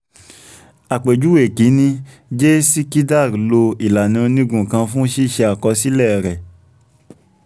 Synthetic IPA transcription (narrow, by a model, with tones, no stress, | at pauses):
a˨k͡pe˨d͡ʒu˦we˨ki˨˦nĩ˧ | d͡ʒe˦si˦ki˦da˦˨ɾlo˧i˨la˨nĩ˨˧o˧nĩ˦ɡũ˨kã˧fũ˦ʃi˦˨ʃɛ˧a˨kɔ˧si˦lɛ˦˨ɾɛ˨